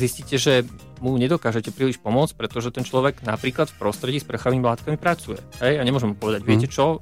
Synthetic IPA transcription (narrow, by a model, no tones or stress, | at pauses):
zisciːcɛʒɛ | muɲɛd̪ɔkaːʒɛcɛpɾiːliʃpɔmʊɔt͡sc̚pɾɛt̪ɔʒɛt̪ɛnt͡ʃlɔʋɛɡna̰pɾiːklat̪fpɾɔst̪ɾɛɟiːsprəxaʋiːmilaːt̪kamipɾat͡sujɛ̰ɦɛjaɲɛmʊɔʒɛmupɔʋɛd̪aɟʋɪɛcɛt͡ʃɔ